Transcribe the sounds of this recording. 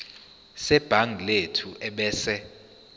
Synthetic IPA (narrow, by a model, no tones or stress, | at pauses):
sɛb̥ʱaŋʱletʰuʔɛɓɛːsɛ